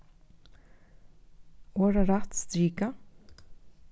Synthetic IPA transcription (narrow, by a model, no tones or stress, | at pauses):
oːɾaɾat̪st̪ɾiːka